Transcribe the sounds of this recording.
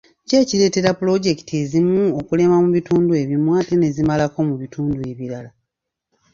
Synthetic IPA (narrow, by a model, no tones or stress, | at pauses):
ce̞ːciɾe̞ːte̞ɾapulo̞ɟe̞ki̥tʰie̞zimuokule̞mamuβituːndue̞βjimwaːtene̞zimalako̞muβituːndue̞βiɾala